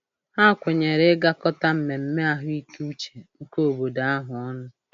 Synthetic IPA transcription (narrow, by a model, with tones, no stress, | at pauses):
ha˦˨kʷe˨ɲe˨ɾe˦ɡa˦kɔ˦ta˦m̩˨me˨m̩˦me˦a˦ɦʊ˦i˦kt͡ʃe̥˨ŋ̩˦ko˦˨bo˨da˨a˦ɦʊ˨ɔ˦nʊ˦